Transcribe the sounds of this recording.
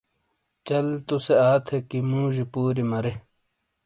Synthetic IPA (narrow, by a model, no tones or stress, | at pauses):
t͡ɕɐlt̪useaːt̪ʰekimũːʑipuːɾimɐɾe